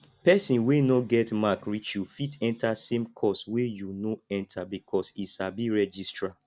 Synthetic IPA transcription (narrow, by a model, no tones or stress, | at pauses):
pɛsĩnwenoɡɛtmakɹit͡ʃjufitɛ̃ntʰasẽmkʰɔswejunoɛ̃ntʰabikʰɔsisabiɹɛd͡ʒistɹa